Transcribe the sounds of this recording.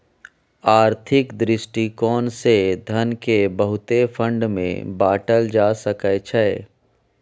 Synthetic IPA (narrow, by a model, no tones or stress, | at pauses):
aːɾt̪ʰɪkd̪ɾɪsʈikɔːnsed̪ʱənkebəɦʊt̪efʰə̃ɳɖmḛ̃baːʈəld͡ʒaːsəkət͡ʃʰɛː